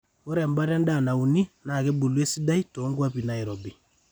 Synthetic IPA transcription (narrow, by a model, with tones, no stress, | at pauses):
o˦ɾɛ˨m˦ba˦ɾɛ˦n˦da˦˨na˨u˨ni˦na˨ke˦bu˨le˦si˦da˦i˦to˨˦ŋɡwa˦pi˨na˨i˨ɾɔ˨bi˨